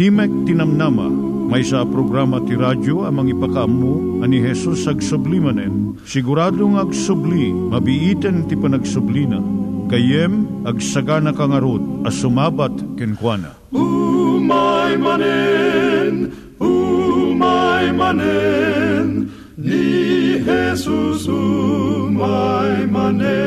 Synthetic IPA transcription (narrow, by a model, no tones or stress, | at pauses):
himɛk̚t̪inɐmnama̰ | mɐjsapɾoɡɾamɐt̪iɾad͡ʒoɐmɐŋipɐkaɐmːu | ɐniɦɛsusɐɡsʊblimɐnɛn | sɪɡʊɾaːd̪oŋɐɡsʊblimɐbiʔit̪ɛnt̪ipɐnɐɡsʊblina̰kɐjɛmɐɡsɐɡanɐkaŋɐɾod̪̚ɐsʊmaːbat̪kɪnkwana̰ | umajmanɛ | n | umajmanɛ | n | nihɛsusumajman